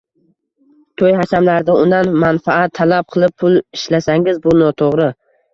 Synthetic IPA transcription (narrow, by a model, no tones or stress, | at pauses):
t̪ʰojhaʃamlaɾd̪aʊnd̪anmanfaat̪ʰːalap̚qʰɨlˠɪp̚pʰʊlˠɪʃlasaŋɪzbʊnɒt̪ʰoʁɾɪ